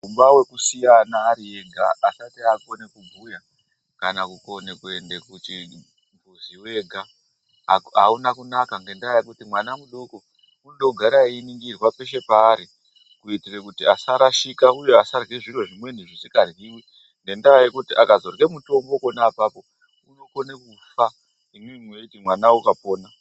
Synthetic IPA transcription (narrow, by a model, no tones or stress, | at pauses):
umbawe̞kusijanaːɾieɡʱa̰ːsatiako̞nekubʱuja | kanakuko̞nekuendekuti | mvuziwe̞ɡʱa̰ | a̰unakunakaŋɡe̞ndaajekutimwanamuɗoko | muɗo̞ɡʱaɾainiŋɡirwape̞ʃe̞paːɾi | kuitirekutiasaɾaʃikauje̞asarɣiʐirwoʐimwe̞n̤iʐisikarɣiːwi | nɡe̞ndaajekutiʔakazo̞rɣe̞muto̞mboko̞naːpapo̞ | uno̞ko̞nekufa | imwimweutimwanaukapo̞ːna